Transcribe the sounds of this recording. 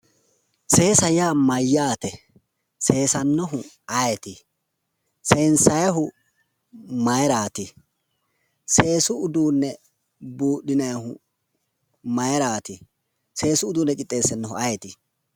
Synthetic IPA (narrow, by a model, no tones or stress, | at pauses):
se̞ːsɐjaːmɐjːaːt̪ɛ | se̞ːsɐnːɔɦʊ | ɐjɛt̪ɪ | seːnsɐjɦʊ | mɐjɛɾaːt̪ɪ | se̞ːsʊʊd̪uːnːɛ | buːɗɪnɐjhʊ | mɐjɛɾaːt̪ɪ | se̞ːsʊːd̪uːnːɛkʼɪt̪ʼːe̞ːsɛnːɔɦʊɐjɛt̪ɪ